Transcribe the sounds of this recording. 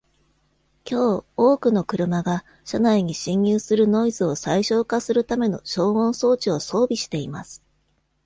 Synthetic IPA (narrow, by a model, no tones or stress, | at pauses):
kʲo̞ːoːkɯ̟no̞kɯ̟ɾɯ̟maɡa | ɕanaiɲ̟iɕĩɲjɨːsɨɾɯ̟no̞izɨo̞saiɕo̞ːkasɨɾɯ̟t̪ame̞no̞̰ɕo̞ːmõ̞ɰ̃so̞ːt͡ɕio̞so̞ːbʲiɕi̥t̪e̞imasɨ̥